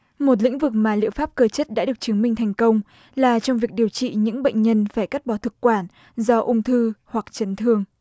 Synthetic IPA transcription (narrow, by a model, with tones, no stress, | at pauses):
mo˨˩t̬̚lḭ˧˥ŋ̟vɨ˨˩k̚maː˨˩lḭ˧əwfaː˦˥p̚kəː˧t͡ɕə˦˥t̚ɗa̰ː˧˥ɗɨ˨˩ət͡ɕɨ˨˦ŋmï˧ŋ̟t̪ʰɛ˨˩jŋ̟kə˧wŋ͡m | laː˨˩t͡ɕɔ˧wŋ͡mvi˨˩ək̚ɗi˨˩əwt͡ɕḭ˧˨ɲɨ̰˧˥ŋɓə̰˧˨jŋ̟ɲə˧nfaː˧˩jka˦˥t̚ɓɔ˨˦t̪ʰɨ˨˩kkwaː˧˩n | zɔ˧ʔʊ˧wŋ͡mt̪ʰɨ˧hwa˨˩k̚t͡ɕə˨˦nt̪ʰɨ˧əŋ